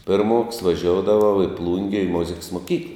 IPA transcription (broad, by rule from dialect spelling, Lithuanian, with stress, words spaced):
ˈpʲɪrˌmoːks ʋɐˈʒʲoːʊdɐʋɐʊ iː ˈplˠuːŋʲɡʲɛ iː ˈmʊzʲɪks moːˈkʲiːklˠɐ